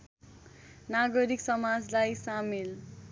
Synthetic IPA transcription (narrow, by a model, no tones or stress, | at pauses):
naɡʌɾiksʌmad͡zlajsamel